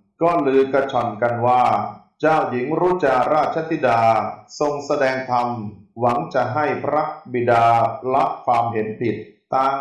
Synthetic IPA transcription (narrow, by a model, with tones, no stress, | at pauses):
kɔː˥˩lɯː˧ka˧˩t͡ɕʰɔ˨˩nka˧nwaː˥˩ | t͡ɕaː˥˩wji˩˦ŋɾuː˦˥t͡ɕa˧ɾaː˥˩t̪̚t͡ɕʰa˧˦t̪ʰi˦˥˩daː˧so˧ŋsa˧dɛː˧ŋt̪ʰa˧mwa˩˦ŋt͡ɕa˨˩ɦa˥˩jpʰɾa˦˥bi˨˩daː˧la˦˥ʔkʰwaː˧mɦe˩˦npʰi˨˩t̪̚ːaː˧